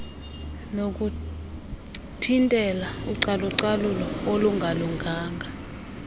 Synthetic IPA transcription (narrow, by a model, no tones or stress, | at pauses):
nok̬ʼu | tʰintʼɛlauǀaluǀalulɔoluŋʱaluŋɡʱaːŋɡʱa